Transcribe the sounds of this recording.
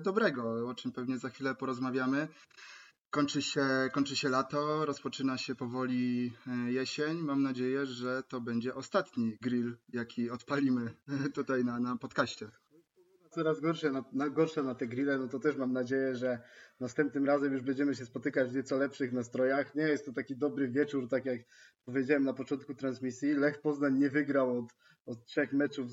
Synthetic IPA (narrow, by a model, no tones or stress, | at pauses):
d̪ɔbɾɛɡɔɔt͡ʂɘmpɛvɲɛzaxfʲilɛpɔɾɔzmavʲjamɘ | kɔɲt͡ʂɘɕɛkɔɲt͡ʂɘɕɛlat̪ɔɾɔspɔt͡ʂɘnaɕɛpɔvɔlʲijɛɕɛɲmamnad͡ʑejɛʐɛt̪ɔbɛɲd͡ʑɛʔɔst̪at̪ɲiɡɾiljakʲiɔt̪palʲimɘt̪ut̪ajnanapɔt̪kaɕt͡ɕɛ | at̪sɔɾazɡɔɾʂɛnanaɡɔɾʂɛnat̪ɛɡɾilɛnɔt̪ɔt̪ɛʂmamnad͡ʑejɛʐɛnast̪ɛmp̚t̪̚nɘmɾazɛmjuʐbɛɲd͡ʑɛmɘɕɛspɔt̪ɘkad͡ʑvɲɛt̪sɔlɛpʂɘxnast̪ɾɔjaxɲɛjɛst̪ːɔt̪akʲid̪ɔbɾɘvʲjɛt͡ʂuɾt̪akʲjak | pɔvʲjed͡ʑawɛmnapɔt͡ʂɔnt̪̚kut̪ɾansmʲisʲjilɛxpɔznaɲɲɛvɘɡɾawɔt̪ | ɔt̪̚tʂɛxmɛt͡ʂuv